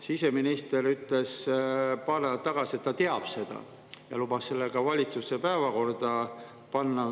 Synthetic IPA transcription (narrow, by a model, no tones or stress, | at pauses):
sise̞minist̪e̞ɾyt̪ˑle̞spɑnet̪ːɑɡ̥ɑsie̞t̪ːɑt̪eɑb̥se̞d̪̥ɑ̰ | jɑ̰lub̥ɑsːe̞lːeɡ̥ɑvɑlʲit̪susːe̞pæevɑko̞rd̪̥ɑ | pɑnːɑ